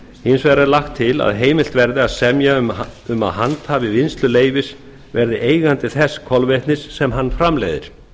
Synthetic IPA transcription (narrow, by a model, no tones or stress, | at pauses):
hinsvɛɾaɾlaxt̪ʰːɪla̰ðɦeːjmɪlt̪vɛɾðɪaðsɛmjamʏma̰ðɦant̪haːvɪvɪnst̪lʏleːjvɪs | vɛɾðɪʔeːjɣant̪ɪθɛsːkʰɔlveht̪nɪsːɛmɦanːfɾamlḛjðɪ̰ɾ̥